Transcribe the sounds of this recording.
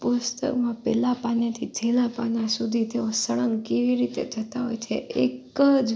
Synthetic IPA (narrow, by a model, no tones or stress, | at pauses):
pʊst̪ə̰kmãpɛlapanet̪ʰid͡ʒʱelapanãsud̪ʱit̪eõsəɭəŋɡkeʋiɾit̪ḛd͡ʒʱət̪aɦo̰jt͡ʃʰḛʔekəd͡ʒ